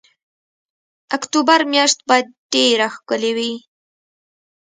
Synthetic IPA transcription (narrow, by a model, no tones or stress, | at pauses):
akt̪ubaɾmjɑʃt̪̚bɑjd̪̚ɖeɾaxkəlewi